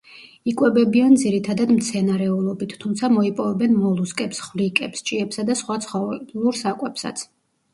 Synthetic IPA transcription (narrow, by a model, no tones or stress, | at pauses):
ikʼwɛbɛbiand̪ziɾit̪ʰad̪ad̪mt̪sʰɛnaɾɛulˠɔbit̪ːʰumt̪sʰamɔipʼɔvɛbɛnmɔlˠuskʼɛpsχvlikʼɛpst͡ʃʼiɛpsad̪asχwat̪sʰχɔlˠuɾsakʼwɛpsa̰t̪sʰ